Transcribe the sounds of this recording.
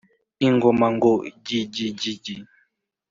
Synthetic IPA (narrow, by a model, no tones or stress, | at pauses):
iŋɡomaŋɡod͡ʒid͡ʒid͡ʒid͡ʒi